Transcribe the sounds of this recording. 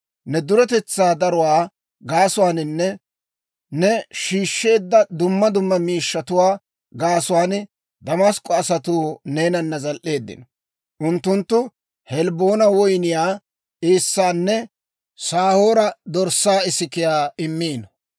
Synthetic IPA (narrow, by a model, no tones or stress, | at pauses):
nɛd̪ʊɾɛt̪ɛt͡sːaːd̪ɐɾʊwaː | ɡaːsʊwaːnɪnːɛ | nɛʃiːʃːe̞ːd̪ːɐd̪ʊmːɐd̪ʊmːɐmiːʃːɐt̪ʊwaː | ɡaːsʊwaːn | d̪ɐmɐskʼːɔɐsɐt̪uːne̞ːnɐnːɐzɐlʔe̞ːd̪ːɪ̰nɔ | ʔʊnt̪ːʊnt̪ːʊ | hɛlboːnɐwɔjnɪjaː | eːsːaːnːɛ | saːho̞ːɾɐd̪ɔɾsːaːɪsɪkɪjaːɪmːiːnɐ